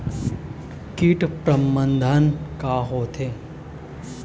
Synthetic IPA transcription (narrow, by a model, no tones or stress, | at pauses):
kiːʈpɾəmbənd̪ʱənkaɦoːt̪ʰeː